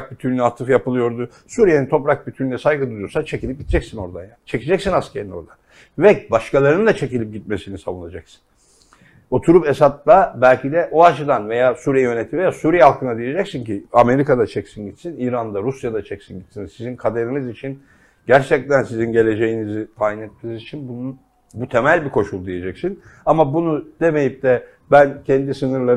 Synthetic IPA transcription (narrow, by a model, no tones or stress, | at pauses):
k̚bit̪ʰyɾnyat̪ʰːɯfjapɯlˠɯjo̞ɾd̪u | suːɾijenint̪ʰo̞pɾak̚bit̪ʰyɾlʲɛsajɡɯd̪uɾjoɾsat͡ʃʰecilʲip̚ɟit̪ʰd͡ʒɛcsino̞ɾd̪anjant͡ʃʰe̞cʰid͡ʒɛcsinascʰʲeɾino̞̰ɾd̪an | vɛbaʃkalˠaɾɯnd̪at͡ʃʰe̞cilʲip̚ɟit̪̚me̞sinisavunˠad͡ʒaksɯ̥n | o̞t̪ʰuɾupesat̪̚lˠabælʲcʰid̪ɛʔoat͡ʃʰɯd̪anve̞jaːsuːɾijɛjø̞net̪ʰivejaːsuːɾijɛɦalˠkʰɯnad̪ije̞d͡ʒɛcsinciame̞ɾikad̪at͡ʃʰɛcsinɟit̪siniːɾand̪aɾusjad̪at͡ʃʰɛcsinɟit̪sinsizinkʰad̪eɾinizit͡ʃʰin | ɟæɾt͡ʃʰɛc̚t̪ʰænsizinɟe̞lʲe̞d͡ʒe̞jinizit̪ʰaːjinɛt̪̚mesizit͡ʃʰinbunun | but̪ʰemælʲbikʰo̞ʃulˠd̪ije̞d͡ʒɛcsin | amabunud̪̥e̞me̞jip̚d̪ɛ | bæncʰɛnd̪isɯnɯɾlˠaɾ